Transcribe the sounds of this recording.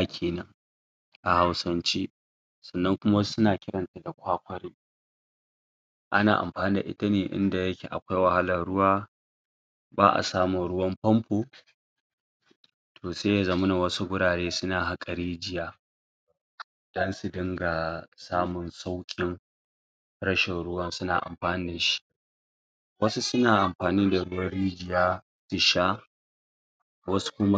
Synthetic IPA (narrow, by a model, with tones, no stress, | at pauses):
kʲʰeː˨nɐ˦ŋ | ʔa˨ha˦wsɐ˦nt͡ʃiː˦ | sɐ˨nːɐ˦ŋkʷʊ˦ma˦sʊ˦naː˨kʲɪ˦ɾɐ˨nta˨da˨kʷaː˦kʷɐ˦ɾi˦ | ʔa̰˦na̰ː˨ʔa̰˨mɸaː˨ni˦da̰˨ʔɪ̰˦ta˦neː˨ʔɪ̰˦nda˨jɐ˦kʲḛː˨ʔa̰˨kʷa˦jwɐ˨ha˦lɐ˨nɽʊ˦waː˦ | ba̰ː˦ʔa̰˨saː˦mʊ˨nɽʊ˦wɐ˦mɸɐ˦mɸoː˨ | tʰoː˨seː˦ja˦zɐ˨mʊ˦na˨wɐ˦su˦ɡʊ˦ɽaː˨ɽeː˦sʊ˦naː˨ɦa˦kʼa˨ɾiː˦d͡ʒɪ˨jaː˦ | d̥ɐ˦nsu˨dɪ˦ŋɡa˨saː˦mʊ˨nsa˦wkʲʼɪ˦ŋ | ɽɐ˦ʃɪ˨nɽʊ˦wɐ˦nsʊ˦na̰ː˨ʔa̰˨mɸaː˨nɪː˦da˨ʃi̥˦ʔ | wɐ˦su˦sʊ˦naː˨ʔa˨mɸaː˨niː˦da˨ɽʊ˦wɐ˦ɽiː˦d͡ʒɪ˨jaː˦ | su˨ʃa˦ | wɐ˦su̥˦kʷʊ˦m˦